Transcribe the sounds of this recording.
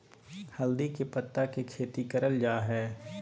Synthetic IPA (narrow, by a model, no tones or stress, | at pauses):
hɐld̪ikepɐt̪ːakekʰeːt̪ikɐɾəld͡ʒaːɦɛː